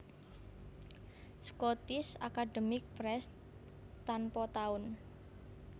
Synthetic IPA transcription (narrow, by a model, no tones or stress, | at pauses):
skɔt̪ɪsa̰kad̪əmɪk̚pɾɛs | t̪anpɔt̪aʊn